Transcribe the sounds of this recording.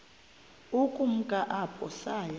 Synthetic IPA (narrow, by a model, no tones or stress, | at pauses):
ukʼum̩kʼaʔapʰɔsaja